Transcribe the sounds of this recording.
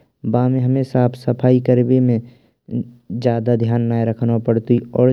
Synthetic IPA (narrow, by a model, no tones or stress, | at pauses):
baːmẽɦəmẽsaːpʰsəpʰaːikəɾbemẽ | d͡ʒjaːd̪ad̪ʱjaːnːaːjɾəkʰnapəɽt̪uiɔːɾ